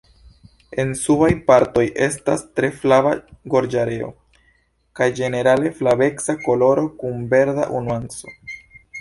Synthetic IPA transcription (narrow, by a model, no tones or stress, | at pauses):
e̞nsubajpaɾto̞jʔe̞s̬tastɾe̞flavaɡo̞ɾd͡ʒaɾe̞o̞̰ | kajd͡ʒe̞ne̞ɾale̞flabe̞ksako̞lo̞ɾo̞kumbe̞ɾda̰ʔunuanso̞̥